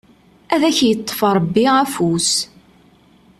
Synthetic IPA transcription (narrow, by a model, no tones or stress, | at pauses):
æðæçjət̪ˤːfɑɾˤbːiæfus